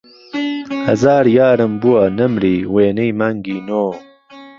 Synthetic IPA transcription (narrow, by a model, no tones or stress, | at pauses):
hɐzaːɾjaːɾɨmbuwɐnɐmɾiːweːnejmaŋɡiːnoː